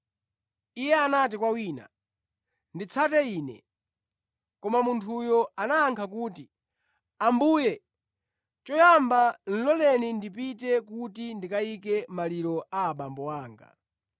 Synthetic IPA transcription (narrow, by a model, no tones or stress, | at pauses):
ijɛanat̬ikwawiːna̰ | ndit͡sʰatɛiːnɛ̰ | kɔmamuntʰujɔanaːŋkʰakuːti | ambuːjɛ | t͡ʃɔjamban̩lɔlɛnindip̬itɛk̬utindikaikɛmaliɾɔʔaːɓambɔwaːŋɡa̰